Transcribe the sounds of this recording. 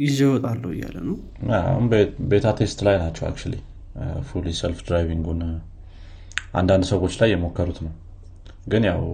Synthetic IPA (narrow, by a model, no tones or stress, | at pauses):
ɪzəwɔt̪ʼalːəw̰jːa̰lːə̰nəw | a̰hunbe̞t̪ʰat̪ʰest̪lajnat͡ʃːɛwa̰kt͡ʃalḭ | fulisɛlfd̪ɾajβiŋɡun | ʔa̰nd̪and̪səwo̞t͡ʃːlajːɛmo̞kːəɾut̪nəw | ɡɨnjaw